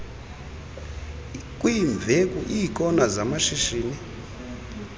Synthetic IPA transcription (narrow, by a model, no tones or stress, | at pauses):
kʼwiɱb̪vʱekʼuʔikʼɔnazamaʃiʃiːni